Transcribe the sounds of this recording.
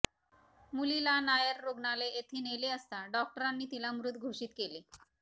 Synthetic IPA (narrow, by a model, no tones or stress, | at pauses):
mulilanajəɾːoɡnaleʔet̪ʰiːneleəst̪aɖɔk̚ʈəɾanːiːt̪ilamɾut̪ːɡʱoʂiːt̪keliː